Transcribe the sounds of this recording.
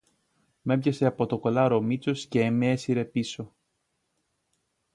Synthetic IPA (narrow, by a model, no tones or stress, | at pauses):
me̞pʝɐse̞ɐpo̞t̪oko̞lɐɾo̞mit͡so̞sce̞meesiɾe̞piso̞